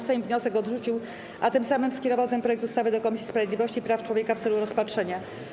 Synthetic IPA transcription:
sɛjimvɲɔsɛkɔd̪ʐut͡ɕiw | ʔat̪ɘmsamɘmskʲɛɾɔvawt̪ɛnpɾɔjɛk̚t̪ust̪avɘd̪ɔkɔmʲisʲispɾavjed̪lʲivɔɕt͡ɕipɾaft͡ʂwɔvʲjekaft̪sɛluɾɔspatʂɛɲa

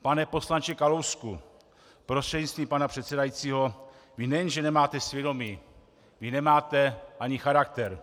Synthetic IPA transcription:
panɛpo̞slant͡ʃɛkalowsku | pɾost̪r̥ɛdɲit͡st̪viːmpanapr̥ɛt̪sɛdajit͡siːɦo | vɪnɛjɛnʒɛnɛmaːt̪ɛsvʲjɛdo̞miː | vɪnɛmaːt̪ɛʔaɲɪxaɾak̚t̪ɛɾ

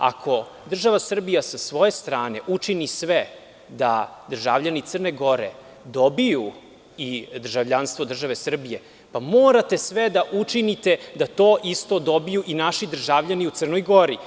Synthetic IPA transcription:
a̰kʰo̞ | d̪r̩ʒaʋasr̩bijasasʋo̞je̞st̪ɾaːne̞ʔut͡ʂinisʋe | d̪a̰d̪r̩ʒavʎanit̪sər̩neɡo̞ɾḛ | d̪o̞biju | id̪r̩ʒavʎanst̪ʋo̞d̪r̩ʒaʋe̞sr̩bije̞ | pamoːɾat̪e̞sʋed̪aʔut͡ʃinit̪ed̪at̪o̞ːʔist̪o̞d̪o̞bijuʔinaʃid̪r̩ʒavʎaniut̪sər̩nojɡo̞ɾi

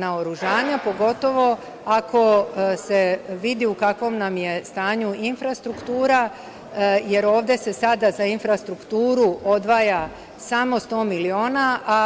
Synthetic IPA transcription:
naoɾuʒaːɲapo̞ɡo̞t̪o̞ʋo̞ | akʰo̞se̞ʋid̪iukakʋo̞mnamje̞st̪aːɲuinfɾast̪ɾukt̪uːɾa | je̞ɾo̞ːʋd̪e̞se̞sad̪azainfɾast̪ɾukt̪uːɾuʔo̞d̪ʋaːja | samo̞st̪o̞ːmilio̞ːnaʔa

